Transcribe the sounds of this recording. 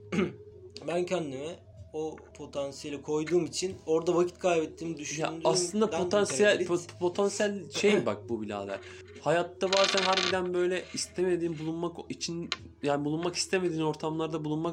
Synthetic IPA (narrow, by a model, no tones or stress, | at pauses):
bæncʰænd̪imɛ | opʰo̞t̪ʰansijelʲikʰo̞jd̪uːmit͡ʃʰino̞ɾd̪avacʰi̥t̪kʰajbɛt̪ʰːiːmd̪yʃyja̰d̪aslˠɯnd̪ap̪o̞ansijælpʰo̞t̪ʰansijælʲʃejbak̚bubilʲa̰ːd̪æ̰ɾ | hajat̪ːabaːzænɦæɾbid̪ænbø̞jlʲɛist̪ʰeme̞d̪iːnbulˠunmakit͡ʃʰin | jaːnibulˠunmaki̥st̪ʰe̞med̪iːno̞ɾt̪ʰamlˠaɾd̪abulˠunmak